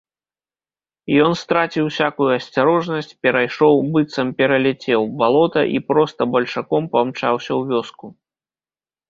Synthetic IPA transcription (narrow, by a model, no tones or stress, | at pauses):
jɔnst̪ɾat͡sʲiwsʲakujuɐsʲt͡sʲaɾɔʐnɐsʲt͡sʲpʲɛɾajʂɔwbɨt̪sɐmpʲɛɾɐlʲɛt͡sʲɛwbalˠɔt̪ɐ̰ʔipɾɔst̪ɐbɐlʲʂakɔmpamt͡ʂa̰wsʲɐwvʲɔsku